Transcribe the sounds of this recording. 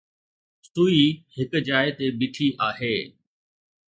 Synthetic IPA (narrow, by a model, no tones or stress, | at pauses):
st̪uːihɪkd͡ʑaːɪt̪ebɪʈʰiʔaːɦeː